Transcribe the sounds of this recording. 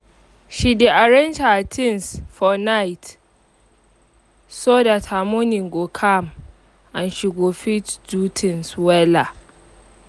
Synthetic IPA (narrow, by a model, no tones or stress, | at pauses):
ʃideʔaɾɛnd͡ʒatʰɪnsfɔnajt | soːdatʰamonɪŋɡokʰam | ʔanʃɪɡoɸitd͡ʒutʰɪnswɛla